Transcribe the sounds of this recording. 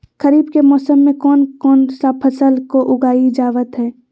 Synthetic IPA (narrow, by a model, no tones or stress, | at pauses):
kəɾiːbkemɔːsəmːẽkɔːnkɔːnsapʰəsəlkoʔʊɡaːid͡ʒaːʋət̪ɦɛː